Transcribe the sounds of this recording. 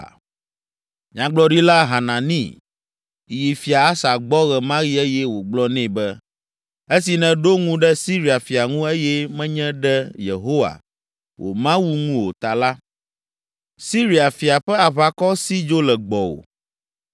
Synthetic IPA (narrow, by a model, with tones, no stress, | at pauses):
ɲã˨ɡ͡blɔ˦ɖi˦la˦ɦa˨nã˨nḭ̃˦˨ | ji˨fi˨a˨a˦sa˨ɡ͡bɔ˦ɣɛ˨mã˦ɣi˦ɛ˦jɛ˦wo˨ɡ͡blɔ˦nɛ̃˦˨bɛ˦ | e˦si˨nɛ̃˦ɖo˦ŋũ˦ɖɛ˦si˦ɾi˨a˨fi˨a˨ŋũ˦e˦jɛ˦mɛ̃˦ɲɛ̃˦ɖɛ˦jḛ˨ɦo˦wa̰˨ | wʔo̰˨mã˦wu˦ŋũ˦wo˨t̪a˨la˦ | si˦ɾi˨a˨fi˨a˨ɸɛ˦a˨βa˨kɔ˦si˦d͡ʒo˦lɛ˨ɡ͡bɔ˨wo̰˨